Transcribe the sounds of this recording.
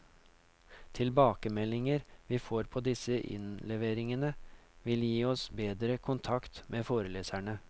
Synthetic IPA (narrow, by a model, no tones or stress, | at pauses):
t̪ʰɪlbɑːkəmɛlɪŋəɾʋiːfoːɾpʰoːd̪ɪsəʔɪ̰nlɛʋeːɾɪŋənəʋɪljiːɔsbeːd̪ɾəkʰʊnt̪ʰɑkt̪mʔeːfoːɾəleːsæɳə